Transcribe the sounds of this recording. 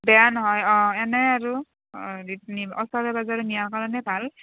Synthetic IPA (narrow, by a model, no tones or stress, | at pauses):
bɛjanɔɦɔjɔ̃ɛnɛaɹu | itniɔsɔɹɛbazaɹɛmijakalɔnɛbʱal